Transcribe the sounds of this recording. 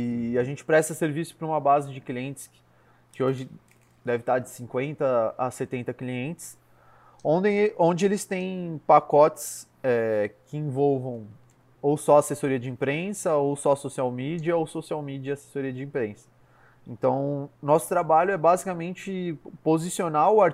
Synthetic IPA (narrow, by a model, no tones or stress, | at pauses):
ɪaʒẽnt͡ʃɪ̥pɾɛst̪ɐseɾvisʊ̥pɾɐũmɐbazɪd͡ʒɪkliẽnt͡ʃɪ̥s | kɪoʒɪ | d̪ɛvɪt̪aɾd͡ʒɪsĩŋkwẽnt̪ɐaset̪ẽnt̪ɐkliẽnt͡ʃɪ̥s | õd̪ẽʔõnd͡ʒɪelɪst̪ẽj̃pakɔt͡ʃɪ̥s | ɛkɪĩvɔwvɐ̃w̃ | owsɔasesoɾiɐd͡ʒɪĩpɾẽsɐowsɔsosiawmid͡ʒiɐowsosiawmid͡ʒɐase̥soɾiɐd͡ʒɪĩpɾẽsɐ̥ | ẽnt̪ɐ̃w̃nɔsʊ̥t̪ɾabaʎʊɛbazikɐmẽnt͡ʃɪpozisionaʊaɾ